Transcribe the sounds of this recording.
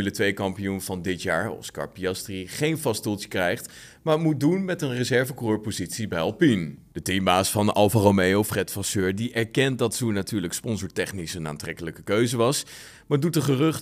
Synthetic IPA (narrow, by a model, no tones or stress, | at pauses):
lətʋejkɑmpijunvɑndɪtjaːɹɔ̰skɑ̰ɹpiɑstriχejnfɑstulˠtə̥krɛjχt | maːɹmut̚dunmɛtənrəzɛɹvəkurøːɹpozitsibɛjɑlˠpind̥ətimbaːsfɑnʔɑlˠfaromejowfrɛtfɑsøːɹdiʔɛɹkɛnt̚dɑtsunatyːɹləkspɔnzoːɹtɛχnisəna̰ːntrɛkələkəkøɥzəʋɑs | maːɹdut̚dəχərɵχt